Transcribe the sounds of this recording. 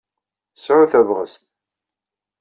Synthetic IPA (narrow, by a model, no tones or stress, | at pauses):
sʕʊθævʁəst̪